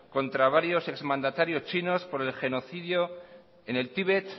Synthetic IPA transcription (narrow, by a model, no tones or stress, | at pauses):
ko̞nt̪ɾaβ̞aɾjo̞se̞kzmãnd̪at̪aɾjo̞st͡ʃino̞spo̞ɾe̞lxe̞no̞θið̞jo | ene̞lt̪iβet̪